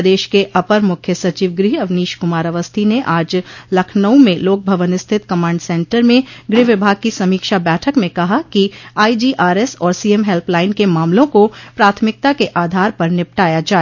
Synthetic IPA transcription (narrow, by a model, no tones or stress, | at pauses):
d̪eːʃkeʔɐpəɾmʊkʰjəsɐt͡ʃiːʋɡɾiːɐʋniːʃkʊmaːɾəʋəst̪ʰineʔaːd͡ʒlɐkʰnəũmẽloːk̚bʱɐʋənɪst̪ʰɪt̪kɐmãːɳɖsɛ̃ːɳʈəɾmẽɡɾiːʋɪbʱaːɡ̚kisɐmiːkʃabɛːʈʰəkmẽkɐɦakiaːid͡ʒiːʔaːɾɛsɔːɾsiːemɦɛlplaːɪnkemaːmlõkopɾaːt̪ʰmɪk̚t̪akeʔaːd̪ʱaːɾpɐɾnɪp̚ʈaːjad͡ʒaːe